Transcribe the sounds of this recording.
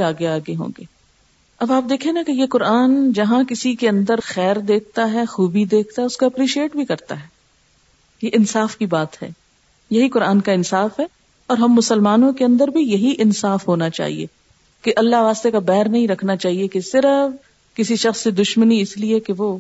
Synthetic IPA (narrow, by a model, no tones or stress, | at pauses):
aːɡeaːɡeɦõ̰ːŋɡeː | ɐbaːp̚d̪eːkʰẽːnakejekʊɾaːnd͡ʒɐɦãkɪsikeɐ̃nd̪əɾxɛːɾd̪eːk̚ʰt̪aɦɛxuːbid̪eːkʰt̪aɦɛʊskaɐpɾiːʃieːʈbʱikɐɾt̪a̰ɦɛː | jeʔɪnsaːfkibaːt̪ɦɛ̰ː | jɐɦikʊɾaːnkaɪnsaːfɦɛː | ɔːɾɦɐmːʊsəlmaːnõkeɐ̃nd̪əɾbʱijɐɦiʔɪnsaːfɦoːnat͡ʃa̰ːɦḭḛ | keʔɐlːaʋaːst̪ekabɛːɾnɐɦĩɾɐkʰnat͡ʃaːɦiekesɪɾəf | kɪsiʃɐxsːed̪ʊʃməniɪsliekeʋoː